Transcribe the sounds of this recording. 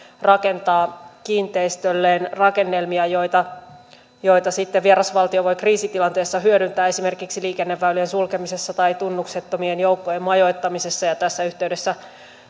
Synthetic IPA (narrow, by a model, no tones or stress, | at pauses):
rɑke̞nt̪ɑːkiːnt̪e̞ist̪ølːeːnrɑke̞nːelmiɑjo̞jt̪ɑ | jo̞it̪ɑsit̪ːeʋieɾɑsʋɑlt̪io̞ʋo̞jkriːsit̪ilɑnt̪e̞ːsːɑɦyøɾynt̪æːe̞sime̞rkiksiliːke̞nːeʋːælyensulkemise̞sːɑt̪ɑit̪unːukset̪ːomienjo̞ukːojemmɑjo̞jt̪ːɑmise̞sːɑjɑt̪æsːæyht̪eyde̞sːæ